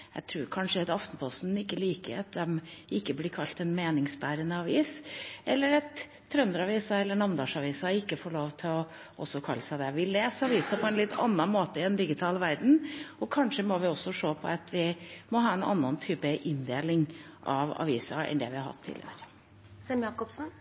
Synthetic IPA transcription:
jæ̰ɪt̪ʰɾʉːɾkʰɑnʂəɛt̪ɑft̪n̩pʰɔst̪n̩ɪkːəliːkə̰ɾɑt̪̚d̪ɛmɪkːəblɪɾkʰɑlt̪ɛnmeːnɪŋsbæːɾənəɑʋiːsʔɛlːəɾɑt̪ʰː | ɾœnd̪əɾɑʋiːsɑɛlːəɳɑnd̪ɑːʂɑʋiːsɑɪkːəfoːɭoːʋt̪ʰɪlɔ | ʔɔsːɔkʰɑlːəsæɪd̪ɛʋɪleːsɑʋiːsɑpʰɔɛnlɪt̪ʰːɑ̰nːɑnmoːt̪əɪɛnd̪ɪɡɪt̪ʰɑːlʋæɾd̪n̩ɔkʰɑnʂəmɔʋɪɔsːɔʂoːpʰɔ̰ɑt̪ʋɪmɔɦɑːɛnɑ̰nːɑnt̪ʰyːpəʔɪnd̪eːlɪŋʔɑʋɑ̰ʋiːsɑʔɛ̰nd̪ɛ̰ʋɪhɑɾhɑ̰t̪ʰːɪ̰lːə̰hø̰ːɾə | sɛmjɑːkɔpsn̩

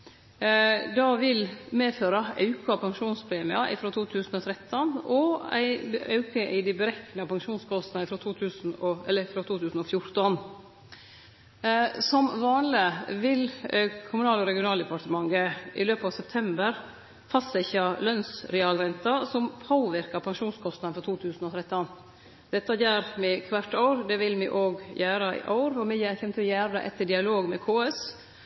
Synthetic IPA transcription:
d̪ɑʋɪlmeːføːɾɑʔɑʉkɑpʰɑŋʂuːnspʰɾeːmɪɑʔɪfɾoːt̪ʰuːt̪ʰʉːsn̩ɔːt̪ʰɾɛt̪ːɔnɔæ̰ɪɑʉkəʔɪd̪ɪbəɾɛknəpɑŋʂuːnskʰɔst̪nɑɪfɾoːt̪ʰuːt̪ʰʉːsn̩ɔɛlːəɪfɾot̪ʰuːt̪ʰʉːsn̩ɔfjʊɾt̪ɔn | sɔmʋɑːnlɪʋɪlkʰʊmʉnɑːlɔɾɛɡɪʊnɑːld̪ɛpʰɑʈəmɑŋɡəʔɪløːpɑʋsɛp̚t̪ʰɛmbəɾ | fɑsæɪçɑlœnsɾɛɑːlɾɛnt̪ɑsɔmpʰoːʋɪɾkɑpʰɑŋʃuːnskʰɔst̪ɑd̪nfɾɔt̪ʰuːt̪ʰʉːsn̩ɔt̪ʰɾɛt̪ːɔn | d̪̥ɛt̪ːɑjæːɾmɛkʰʋæʈːɑʊɾd̪ɛʋɪlmɛʔoːɡjæːɾəɪ̰ʔɑʊɾɔmɛjæːçɛmət̪ʰɪljæːɾd̪ɑ̰ʔɛt̪ːəɖɪɑloːɡmɛkʰoːɛs

